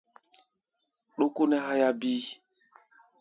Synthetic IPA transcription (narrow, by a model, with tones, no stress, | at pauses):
ɗo˦ku˦nɛ˦ɦa˦ja˦bi˦